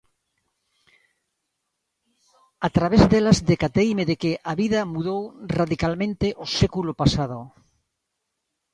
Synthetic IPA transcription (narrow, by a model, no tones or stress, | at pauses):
at̪ɾaβezðelazðekat̪eimeðekeʔaβiðamuð̞owraðikalmẽnt̪eʔosekulopasað̞o